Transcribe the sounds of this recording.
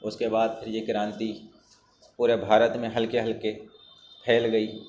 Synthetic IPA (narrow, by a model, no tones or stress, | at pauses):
ʊskebaːd̪̚pʰɪɾjekɪɾãːnt̪i | puːɾebʱaːɾət̪mẽɦɐlkeɦɐlke | pʰɛːlɡɐiː